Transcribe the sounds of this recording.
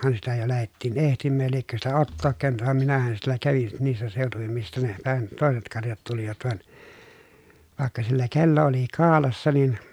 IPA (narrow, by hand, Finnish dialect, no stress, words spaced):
sitæ jo læhetːiːn ehtimːæːj jɑ liekːø sitæ otːoːk kæˑønyt ʋɑm minæhæn sielːæ kæʋin niːsːæ seˑotuʋim mistæ ne pæhæn toˑeset kɑrjɑt tuliʋɑt ʋɑn ʋɑˑekːɑ silːæ kelːo oli kɑːlɑsːɑ nin